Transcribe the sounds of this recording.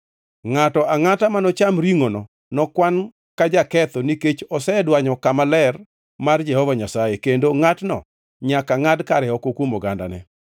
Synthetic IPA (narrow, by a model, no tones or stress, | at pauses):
ŋatɔʔaŋatamanɔt͡ʃamɾiŋonɔ | nɔkwan | kad͡ʒakɛt̪ɔniket͡ʃɔsɛdwaɲɔkamalɛr | mard͡ʒɛhɔvaɲasajekendoŋatnɔ̰ | ɲakaŋadkaɾɛɔkokwomɔɡanda̰nɛ̰